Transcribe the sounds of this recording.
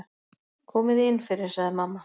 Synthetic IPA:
kʰɔːmɪðɪnːfɪɾɪɾ̥saɣðɪmamːa

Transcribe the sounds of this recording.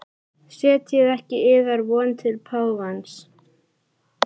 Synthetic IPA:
sɛːt̪jɛðɛhcɪɪːðaɾvɔːnt̪ʰɪlpʰaːwvans

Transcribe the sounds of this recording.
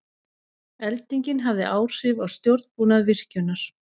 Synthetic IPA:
ɛlt̪iɲcɪnɦavðɪʔaːwr̥ɪvawst̪jowɾt̪puːnaðvɪr̥cʏnaɾ̥

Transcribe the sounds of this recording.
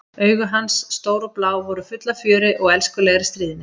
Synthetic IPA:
œːɥɣʏɦansːt̪oːwɾɔplaːwvɔɾʏfʏt̪lafjœːɾɪʔɔɣɛlskʏlɛɣɾɪst̪ɾiːðɪnːɪ

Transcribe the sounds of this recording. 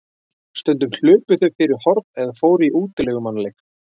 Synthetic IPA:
st̪œnt̪̬ʏmɬʏːpʏθœɥfɪɾɪɾ̥hɔɾt̪ɛðafoːwɾɪiʔuːt̪ɪlɛɣʏmanːlejk

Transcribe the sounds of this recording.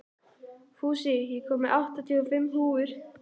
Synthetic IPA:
fuːsiɦikʰɔːmɪʔawht̪at̪ʰiːɔfɪmːɦuːʏɾ̥

